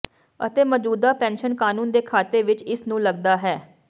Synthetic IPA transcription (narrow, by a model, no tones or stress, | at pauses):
ə̰t̪eːməd͡ʒuːd̪aːpɛ̃ːnʃənkaːnũːnd̪eːkʰaːt̪eːʋɪt͡ʃɪsnũːləɡd̪aːɦɛː